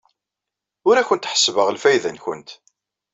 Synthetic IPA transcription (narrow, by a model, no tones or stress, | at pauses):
ʊɾæçənt̪ħə̥svəʁəlfæjðənçʊ̰nt̪